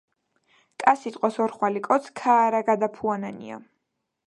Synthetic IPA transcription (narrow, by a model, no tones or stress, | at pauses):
kʼasit̪ʼqʼɔsɔɾχwalikʼɔt̪sʰkʰaːɾaɡad̪apʰuananḭa̰